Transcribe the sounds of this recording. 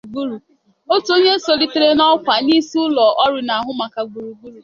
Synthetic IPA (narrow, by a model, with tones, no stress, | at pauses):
ɡu˦ɾu˨ | o˦tu˨˦o˦ɲe˦so˨li˨te˨ɾe˦nɔ˦kʷa˨ni˦sʊ˦lɔ˨ʔɔ˦ɾɪ˨na˨a˨ɦʊ˦ma˨ka˨ɡu˨ɾu˨ɡu˦ɾu˨